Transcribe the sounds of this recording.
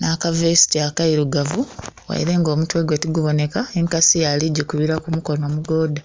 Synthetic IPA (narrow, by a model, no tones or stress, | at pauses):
naːkavesi̥tiakaiɾuɡavuwa̰jḭɾe̞ːŋɡo̞ːmutwe̞ːɡwe̞tiɡuβo̞ne̞kaeŋkasijaliɟːekuβiɾakumuko̞no̞ːmuɡo̞ːda